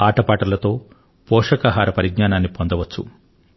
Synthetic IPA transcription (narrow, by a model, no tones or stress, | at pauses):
aːʈɐpaːʈɐlɐt̪o̞ː | pɔːʂɐkaɦaːɾɐpɐɾiɡɲaːnaːnːipond̪ɐʋɐt͡ʃːṵ